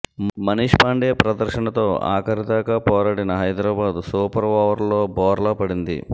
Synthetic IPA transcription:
mɐniːʂpaːɳɖeːpɾɐd̪ɐɾʃɐɳɐt̪o̞ːa̰ːkɐɾit̪aːkaːpɔːɾaːɽinɐɦɐjd̪ɾaːbaːd̪usuːpɐɾʋaːʋɐɾloːbɔːɾlɐpɐɽind̪ḭ

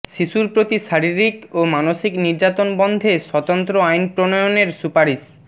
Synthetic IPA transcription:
ʃiʃuɾpɾot̪iʃaɾiɾikomanoʃikniɾd͡ʑat̪onbɔnd̪ʱeʃɔt̪ont̪ɾoajnpɾonojoneɾsupaɾis

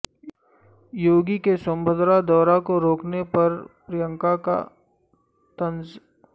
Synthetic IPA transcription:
joːɡikesəmbʱəd̪ɾad̪ɔːɾakoɾoːknepɐɾpɾijə̃ŋkaka̰ | t̪ɐ̃nz

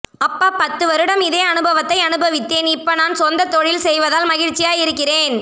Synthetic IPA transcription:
ɐpːaːpɐt̪ːɯʋɐɾɯɽɐmɪðeːɐnɯbɐʋɐt̪ːɐɪɐnɯbɐʋɪt̪ːeːnɪpːoːnaːnsɔnd̪ɐt̪ɔɻɪlsɛjʋɐðaːlmɐɣɪɻt͡ʃːɪjaːjɪɾɯkːɪreːn

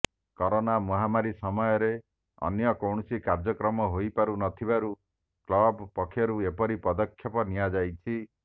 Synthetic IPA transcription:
kɔɾonamɔɦamaɾisɔmɔjɔɾe | ɔ̰njɔkɔwɳɔsikaɾd͡ʒɔkɾɔmɔɦojpaɾunɔt̪ʰibaɾu | klɔbpɔkʰːjɔɾuepɔɾipɔd̪ɔkʰːjɔpɔnijad͡ʒajt͡ʃʰi

